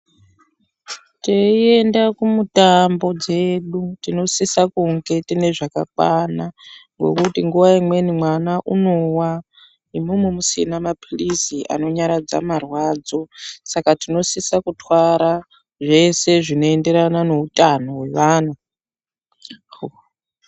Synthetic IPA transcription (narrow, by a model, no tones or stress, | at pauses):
teie̞ndakumutambo̞d͡ze̞ɗutino̞sisakuŋɡe̞tine̞ʐaka̰kwanaŋɡo̞̰kutiŋɡuʋaimwe̞nimwanaʔuno̞wa | imumumusinamapʰulisiʔa̰no̞ɲaɾad͡za̰marwaːd͡zo̞sakatino̞sisakutwaɾa | ʐe̞se̞ʐino̞e̞nde̞ɾanano̞utʼanowe̞ʋaːna